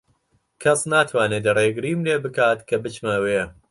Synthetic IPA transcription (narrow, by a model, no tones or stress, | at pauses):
kʰɐsnaːt̪ʰwaːned̪ɐreɡɨɾiːmleːbɨkaːt̪kʰɐbɨt͡ʃmaweː